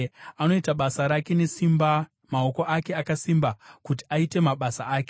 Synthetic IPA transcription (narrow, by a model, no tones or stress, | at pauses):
ano̞itaɓasaɾake̞ne̞simba | mao̞ko̞ʔake̞akasimbakuti̥aite̞maɓasaaːke